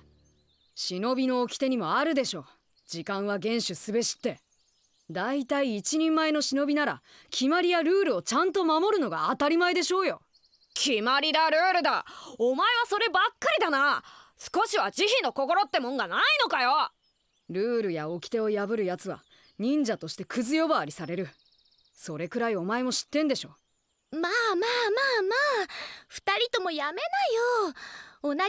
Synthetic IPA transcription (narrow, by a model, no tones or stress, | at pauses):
ɕino̞bʲino̞ːkʲi̥t̪e̞ɲ̟imo̞aɾɯ̟d̪e̞ɕo̞ː | d͡ʑikãɰ̃β̞aɡẽ̞ɰ̃ɕɨsɨbe̞ɕi̥t̪ːe̞ | d̪ait̪aiːt͡ɕiɲ̟ĩmːae̞no̞ɕino̞bʲinaɾa̰ | kʲʰimaɾʲijaɾɯ̟ːɾɯ̟o̞t͡ɕãnt̪o̞mamo̞ɾɯ̟no̞ɡa̰ːt̪aɾʲimaed̪e̞ɕo̞ːjo̞ | kʲimaɾʲid̪aɾɯ̟ːɾɯ̟d̪aomae̞βaso̞ɾe̞bakːaɾʲid̪anasɨ̥ko̞ɕiβad͡ʑiçino̞ko̞ko̞ɾo̞t̪ːe̞mõ̞ŋɡanaino̞kajo̞ | ɾɯ̟ːɾɯ̟jao̞kʲi̥t̪e̞o̞jabɯ̟ɾɯ̟jat͡sɨβa̰ | ɲ̟ĩɲ̟d͡ʑat̪o̞ɕi̥t̪e̞kʰɯ̟zɨjo̞baːɾʲisaɾe̞ɾɯ̟ | so̞ɾe̞kɯ̟ɾaio̞mae̞mo̞ɕi̥t̪ːẽ̞nd̪e̞ɕoː | maːmaːmaːmaːɸɯ̟̥t̪aɾʲit̪o̞mo̞jame̞najo | ona